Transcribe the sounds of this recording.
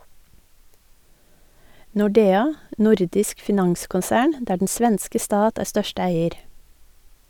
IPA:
nʊˈɖeːɑ ˈnʊɾdɪsk fɪˈnɑŋskʊnˌsæːɳ ˈdæː ɖɳ̩ ˈsʋɛnskə ˈstɑːt ˈæːɾ ˈstœʃtə ˈæɪəɾ

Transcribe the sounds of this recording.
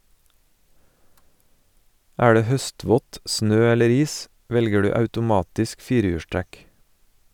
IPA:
ˈæː ˈdeː ˈhœˌstʋɔt ˈsnøː ˈɛləɾ ˈiːs ˈʋɛlɡə ˈdʉː ɑʉtʊˈmɑːtɪsk ˈfiːɾəˌjʉːʃˌtɾɛk

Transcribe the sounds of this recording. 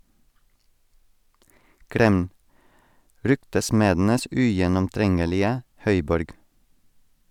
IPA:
ˈkɾɛm ˈɾʏktəˌsmeːdn̩əs ˈʉjɛnɔmˌtɾɛŋəlɪə ˈhœʏˌbɔɾɡ

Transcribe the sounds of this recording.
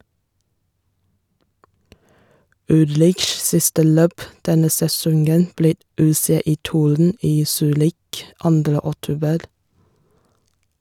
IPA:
ˈʉlɾɪʃs ˈsɪstə ˈløːp ˈdɛnə sɛˈsɔŋɡən ˈbliː ˌʉːˌseːˌiːˈtuːɾn̩ ˈiː ˈsyːɾɪk ˈɑndɾə ɔˈtuːbəɾ

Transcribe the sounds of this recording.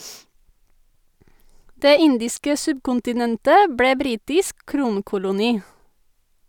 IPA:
ˈdeː ˈɪndɪskə ˈsʉbkʊntɪˌnɛntə ˈbɽeː ˈbɾiːtɪsk ˈkɾuːŋkʊlʊniː

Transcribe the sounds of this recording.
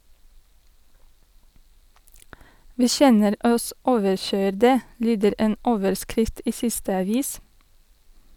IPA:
ˈʋiː ˈçɛnəɾ ˈɔs ˈoːʋəɾˌçœʏɾdə ˈlyːdəɾ ˈeːn ˈoːʋəɹˌskɾɪft ˈiː ˈsɪstə ɑˈʋiːs

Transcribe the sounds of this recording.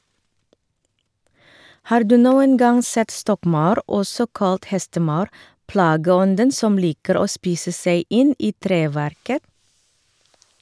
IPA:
ˈhɑːɾ ˈdʉː ˈnuːən ˈɡɑŋ ˈsɛt ˈstɔkˌmɑʉɾ ˈɔsɔ ˈkɑlt ˈhɛstəˌmɑʉɾ ˈplɑːɡəˌɔndən ˈsɔm ˈliːkəɾ ˈoː ˈspiːsə ˈseɪ ˈɪn ˈiː ˈtɾeːˌʋæɾkə

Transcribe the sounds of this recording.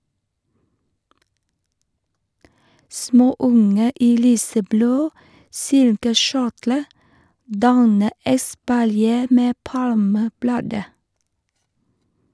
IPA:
ˈsmoːˌʊŋə ˈiː ˈlyːsəˌbloː ˈsɪlkəˌʃʊʈlə ˈdɑnə ɛspɑlˈjeː ˈmeː ˈpɑlməˌblɑːdə

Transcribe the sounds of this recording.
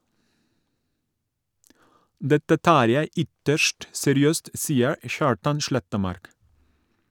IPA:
ˈdɛtə ˈtɑːɾ ˈjæɪ ˈʏtəʃʈ sɛɾɪˈøːst ˈsiːəɹ ə ˈçɑːɹtɑn ˈʃɭɛtəˌmɑɾk

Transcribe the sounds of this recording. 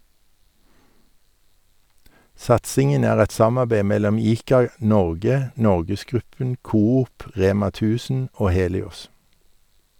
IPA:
ˈsɑtsɪŋən ˈæːʁ ˈɛt ˈsɑmɑbeɪ ˈmɛlɔm ˈiːkɑˌnɔʁɡə ˈnɔʁɡəsˌɡʁʉpən ˈkuːˌuːp ˈʁeːmɑ ˈtʉːsn̩ ˈoː ˈheːlɪʊs

